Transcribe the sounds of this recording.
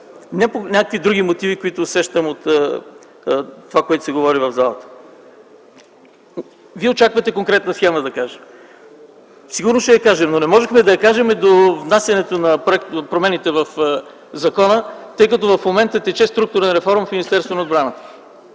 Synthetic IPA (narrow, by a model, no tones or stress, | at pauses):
nʲɛponʲakəkvid̪ɾuɡ̟imot̪ivikoit̪oːsɛʃt̪əmot̪ | t̪ːovakoɛt̪ʊ̥sɛɡovɔɾivəvzalˠə̰t̪ə̥ | viɛot͡ʃakvət̪ɛkoŋkɾɛt̪nəsjɛməd̪ɐkaʒɛm | siɡʊɾnosʃɛjɐkaʒɛmnonɛmɔʒɛxmɛd̪ɐjɐkaʒɛmɛd̪ovnasjɐnɛt̪onɐpɾoɛk̚t̪pɾomɛnit̪ɛvəf | zɐkɔnət̪ɤjkɐt̪ɔvɐfmomɛnt̪ət̪ɛt͡ʃɛst̪ɾuk̚t̪ʊɾɛnɾɛfɔɾmfminist̪ɛɾst̪vonod̪bɾanət̪ə̥